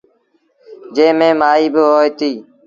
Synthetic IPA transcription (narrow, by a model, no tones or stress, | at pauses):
d͡ʒẽːmẽːmaːiːbɪɦoːet̪iː